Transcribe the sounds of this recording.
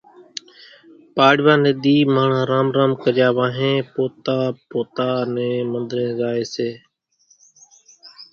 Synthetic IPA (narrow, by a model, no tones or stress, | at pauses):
paːɽʋãːnẽːd̪iːmaːɳãːɾaːmɾaːmkəɾɪjaːʋaːɦẽːpoːt̪aːpoːt̪aːnẽːmənd̪ɾẽːzaːeːseː